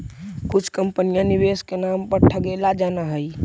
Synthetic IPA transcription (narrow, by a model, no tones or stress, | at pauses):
kʊt͡ʃʰkəmpənijãniʋeskenampəɾʈʰəɡelad͡ʒanaɦəj